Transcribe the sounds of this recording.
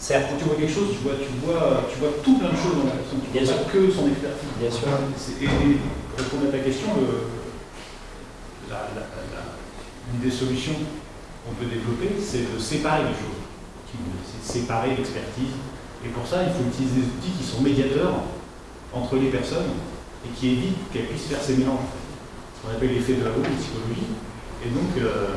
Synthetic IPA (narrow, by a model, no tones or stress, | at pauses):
sɛʁt̪kɑ̃t̪yvwakʲɛlkʃozt̪yvwat̪yvwaøt̪yvwat̪ũplɛ̃d̪əʃozd̪ɑ̃akɛsɔ̃t̪yvbjɛ̃syʁkəsɔ̃nɛkspɛʁt̪izbjɛ̃syʁsɛʔːeʁepɔ̃d̪at̪akʲɛst̪jɔ̃ø | la̰lala̰ | ynd̪esɔlysjɔ̃ | kɔ̃pød̪evlɔpesɛd̪əsepaʁeleʃo̰z | kʲilsesepaʁelɛkspɛʁt̪iz | epuʁsailfoyt̪ilized̪ezut̪ikʲisɔ̃med̪jat̪œʁ | ɑ̃t̪χəlepɛʁsɔn | ekʲʰievit̪kɛlpɥisfɛʁsemelɑ̃ʒ | sə̥kɔ̃napɛlːefɛd̪əlalod̪əsi̥kɔlɔʒi | ed̪ɔ̃kø